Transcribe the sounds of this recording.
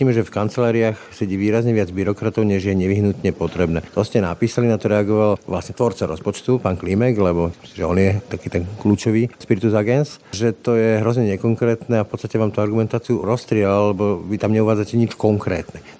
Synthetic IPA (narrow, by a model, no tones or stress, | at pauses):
iːmɛʒɛfkant͡sɛlaːɾiaxsɛɟiːʋiːɾazɲɛʋɪad͡zbiɾɔkɾat̪ɔʊɲɛʒjɛɲɛʋiɦnut̪ɲɛpɔt̪ɾɛbnɛːt̪ɔscɛna̰piːsalinat̪ɔɾɛaɡɔʋalʋlasɲɛt̪ʋɔɾt͡saɾɔ̰spɔt͡ʃt̪upaːnklimɛɡlɛbɔmsiʒɛɔnjɛt̪akiːt̪ɛnkluːt͡ʃɔʋiːʃpiɾit̪uzaɡɛnsʒɛt̪ɔjɛɦɾɔzɲɛɲɛkɔŋkɾɛːt̪nɛafpɔt̪t͡sst̪acɛʋaːmt̪uaɾɡumɛnt̪aːt͡siuɾɔst̪ɾɪɛllɛbɔʋit̪amɲɛuʋaːd͡zacɛɲit͡ʃkɔŋkɾɛ̰ːt̪nɛ